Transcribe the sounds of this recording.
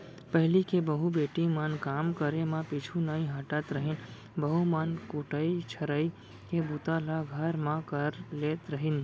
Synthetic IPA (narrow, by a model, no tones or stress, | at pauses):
pəɦɪlikebəɦubeːʈimankaːmkəɾemãpit͡ʃʰunəĩɦəʈət̪ɾəɦin | bəɦumankuʈəit͡ʃʰəɾəi | kebut̪alaɡʱəɾmãkəɾleːt̪ɾəɦin